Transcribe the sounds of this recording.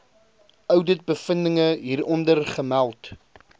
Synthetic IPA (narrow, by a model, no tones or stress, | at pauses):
ʔœwdət̚bəfəndəŋəɦiːrɔndərχəmælˠt